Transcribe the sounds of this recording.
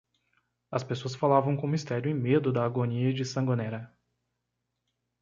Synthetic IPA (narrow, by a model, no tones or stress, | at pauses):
ɐspesoɐsfalavɐ̃w̃kõmist̪ɛɾjʊẽj̃med̪ʊd̪ɐːɡoniɐd͡ʒɪsɐ̃ɡonɛɾɐ